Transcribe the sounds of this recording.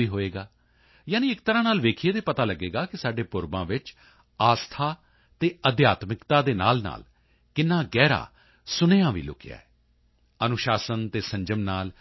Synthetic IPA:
iːɦoːeːɡaː | jaːnĩːɪkt̪əɾãːnaːlʋeːkʰieːd̪eːpət̪aːləɡeːɡaːkɪsaːɖeːpʊɾbãːʋɪt͡ʃ | aːst̪ʰaː | t̪eːəd̪jaːt̪mɪkt̪aːd̪eːna̰ːlna̰ːl | kɪnːaːɡɛːɾa̰ː | sʊneːãːʋḭːlʊ̰kɪja̰ːɛː | ənʊʃaːsənt̪eːsə̃ɲd͡ʒəmnaːl

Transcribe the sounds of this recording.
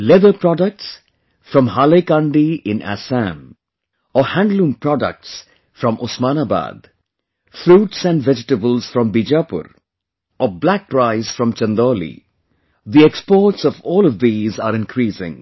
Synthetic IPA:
lɛðəpɾɔɖək̚ʈs | fɾɔ̃mhalekãɳɖiɪ̃næ̰sæ̃m | ɔhæ̃ɳɖlũːmpɾɔɖə̰k̚ʈs | fɾʌ̃mʔɔsmaːnaba̰d̪ | fɾuːʈsæ̃nɖvɛd͡ʒɪʈəbəlz̥fɾɔ̃mbid͡ʒapʊ̰ɾ | ʔɔblæk̚pɾaɪz̥fɾɔ̃mt͡ʃə̃nd̪oːlḭ | d̪iekspɔːɾʈsɔvɔːlɔvd̪iːzaːɾɪ̃nkʰɾiːsɪ̰̃ŋ

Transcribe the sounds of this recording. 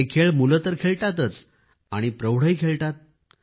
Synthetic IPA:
ekʰeɭmulət̪əɾkʰeɭʈat̪ət͡s | aɽ̃ipɾəwɽ̤əjkʰeɭʈat̪̚

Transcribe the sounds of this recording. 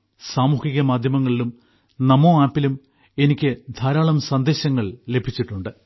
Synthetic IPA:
saːmuːhiɣɐmaːd̪ʱjɐmɐŋːɐɭilum | nɐmoːaːpːilum | e̞nikʲːɨd̪ʱaːɾaːɭɐmsɐnd̪eːɕɐŋːɐɭle̞bʱit͡ɕːiʈːuɳɖɨ

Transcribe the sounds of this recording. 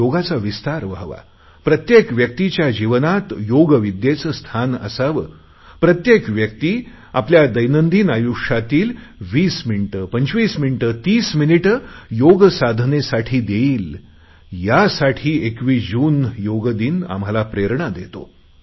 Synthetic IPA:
joɡat͡saʋist̪aɾʋaʋa̰ | pɾət̪jekʋjək̚t̪it͡ɕjad͡ʑiʋnat̪joɡəʋid̪jet͡səst̪ʰanə̰saʋə̰ː | pɾət̪jekʋjək̚t̪iː | a̰pljad̪əjnənd̪iːnajuʂat̪iːlʋiːsminiʈəpəɲt͡ɕʋiːsminiʈət̪iːsminiʈəjoɡsad̪ʱnesaʈʰiːd̪eiːl | jasaʈʰiːekʋiːd͡ʑuːnjoɡəd̪iːna̰m̤ɦalapɾeɾɳad̪et̪o̰

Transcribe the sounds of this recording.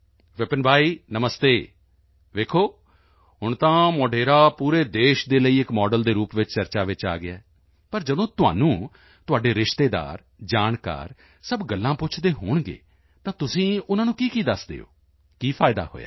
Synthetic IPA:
ʋɪpənbʱaːiːnəməst̪eː | ʋeːkʰoː | ɦʊɳt̪ãːmoːɖeːɾaːpuːɾeːd̪eːʃd̪eːləiːɪkmɔːɖəld̪eːɾuːpʋɪt͡ʃt͡ʃəɾt͡ʃaːʋɪt͡ʃa̰ːɡɪaɛː | pəɾd͡ʒəd̪õːt̪ʊa̰ːnũː | t̪ʊaːɖeːɾɪʃt̪eːd̪a̰ːɾ | d͡ʒaːnka̰ːɾ | səbɡəlːãːpʊt͡ʃʰd̪eːɦoːɳɡḛː | t̪ãːt̪ʊsĩːʊnãːnũːkiːkiːd̪əsd̪ḛːo̰ː | kiːpʰaːɪd̪a̰ːho̰ːja̰ː

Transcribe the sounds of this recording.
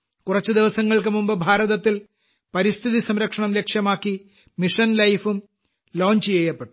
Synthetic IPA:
kurɐt͡ɕːɨd̪iʋɐsɐŋːɐɭkɨmumbɨbʱaːɾɐðɐt̪ːil | pɐɾist̪ʰiðisɐmɾɐkʂɐɳɐmle̞kʂjɐmaːkːi | miʂɐnlɐjfum | lo̞ːɲt͡ɕijejːɐpːeʈːu

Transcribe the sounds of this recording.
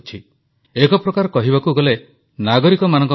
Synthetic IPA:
t͡ʃʰi | ekɔpɾɔkaɾɔkɔɦibakuɡɔle | naɡɔɾikɔmanɔ̃ŋk

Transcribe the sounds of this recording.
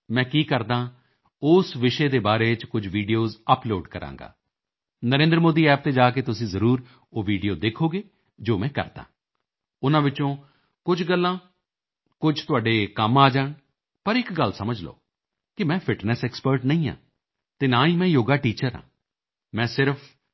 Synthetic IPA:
mɛ̃ːkiːkəɾd̪ãː | ʊːsʋɪʃeːd̪eːbaːɾeːt͡ʃkʊd͡ʒʋiːɖijoːzəploːɖkəɾʔã̰ːŋɡa̰ː | nəɾẽːnd̪ɾəmoːd̪iːɛːp̚t̪eːd͡ʒaːk̬eːt̪ʊsĩːzəɾuːɾ | oːʋiːɖijoːd̪eːkʰoːɡeː | d͡ʒoːmɛ̃ːkə̰ɾd̪a̰ː | ʊnãːʋɪt͡ʃõː | kʊd͡ʒɡəlːãː | kʊd͡ʒt̪ʊaːɖeːkəmaːd͡ʒaːɳ | pəɾɪkɡəlsəməd͡ʒlo̰ː | kɪmɛ̃ːpʰɪʈnɛːsɛːkspəɾʈnəĩːã̰ː | t̪eːnaːĩːmɛ̃ːjoːɡaːʈiːt͡ʃəɾã̰ː | mɛ̃ːsɪɾəpʰ

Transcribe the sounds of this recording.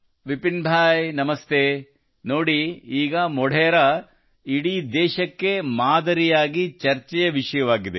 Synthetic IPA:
ʋipinbʱaːjnɐmɐst̪ʰeː | noːɽiiːɡɐmɔɽʱɛjɐɾɐ | iɽid̪ɛːʃɐkːe̞maːd̪ɐɾijaːɡit͡ʃɐɾt͡ʃɛjɐʋiʂɐjɐʋaːɡid̪e

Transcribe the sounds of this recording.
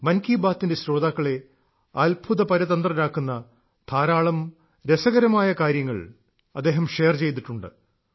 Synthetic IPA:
mɐnkiːbaːt̪ːinde̞sɾo̞ːd̪aːkːɐɭe̞ | ɐlbʱuðɐpɐɾɐðɐnd̪rɐnaːkːunːɐ | t̪ʰaːɾaːɭɐm | ɾe̞sɐɣɐɾɐmaːjɐkaːɾjɐŋːɐ̰ɭ | ɐ̰d̪ːe̞ːɦɐmʂe̞jɐrt͡ɕe̞jt̪̬iʈːuɳɖɨ̰

